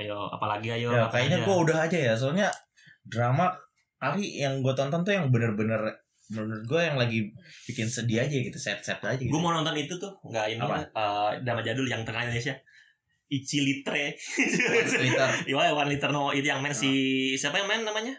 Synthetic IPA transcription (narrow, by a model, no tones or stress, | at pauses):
joa̰palaɡiajojakajaɲaɡuaudaɦad͡ʒajas̬əuɲa | dɾama | kalijaŋɡuat̪ɔnt̪ɔnt̪ujaŋbənərbənər | bənərɡuajaŋlaɡibikɪnsədiad͡ʒaɡit̪u̥sɛt̪̚sɛt̪ad͡ʒaɡiɡamanɔnt̪ɔnit̪ut̪ʊhŋɡaʔɪnapaədɾamad͡ʒadʊljaŋt̪əkalindones̬ia | it͡ʃilit̪ɾe | lit̪ərwawanlit̪ərnoit̪ujaŋmaɪnsisiapajaŋmannamaɲa